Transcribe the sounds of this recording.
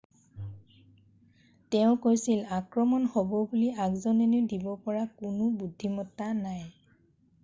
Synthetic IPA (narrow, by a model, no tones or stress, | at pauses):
tɛʊ̃kojsilakɹɔmɔnhobɔbuliakzɔnenedibɔpɔɹakʊnʊbudʱːimɔtːanaj